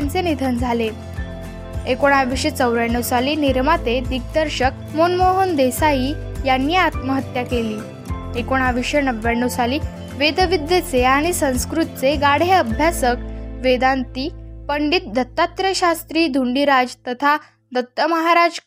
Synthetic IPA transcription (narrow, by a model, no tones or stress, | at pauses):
nt͡senid̪ʱənd͡zʱale | ekoɽ̃aʋiɕət͡səwɾaɳːusaliːniɾmat̪ed̪iɡ̚d̪əɾɕək̚ | monmoɦund̪esaiː | janːiːat̪məɦət̪jakeliː | ekoɽ̃aʋiɕənəʋːaɳːusaliː | ʋed̪əʋid̪jət͡seaɽ̃isə̃w̃skɾut̪t͡seɡaɽ̤eəbʱjasəkʋed̪ant̪iːpəɳɖit̪̚d̪ʱət̪ːat̪ɾəɕast̪ɾiːd̪ʱuɳɖiɾad͡zt̪ət̪ʰa | d̪ʱət̪ːəməɦaɾad͡ʑ